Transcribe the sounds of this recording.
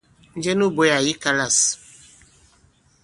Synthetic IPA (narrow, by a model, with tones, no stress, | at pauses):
n̩˦d͡ʒɛ˦nu˦bo˦ja˨ji˦ka˦la˨s